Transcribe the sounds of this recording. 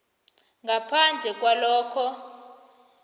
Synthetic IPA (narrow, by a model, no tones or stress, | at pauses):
ŋɡʱapʰand͡ɮʱɛkʼwalɔːkʰɔ